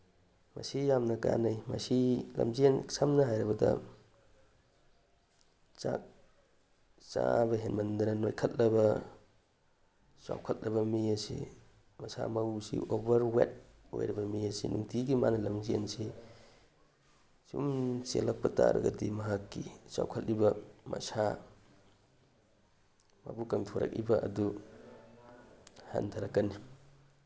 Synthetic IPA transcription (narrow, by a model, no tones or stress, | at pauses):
mɐsijamnɐkanajmɐsilɐ̰mziensʰamnɐɦajɾɐbɐdɐ̰ | t͡ʃak̚ | t͡ʃabɐɦenmɐndɐnɐnojkʰɐt̚lɐbɐ | sawkʰɐt̚lɐbɐmiɐsḭ | mɐsa̰mɐwsḭʔobɐɾwet̚ | ojɾibɐmijɐsinuŋtʰiɡimanɐlɐmziensi | sumselɐk̚pɐta̰ɾɐ̰ɡɐdimɐɦakːisa̰wkʰɐtlibɐmɐ̰sa | mabukɐŋtʰoɾɐ̰k̚ibɐʔɐdu | ha̰ntʰaɾɐkːɐnːi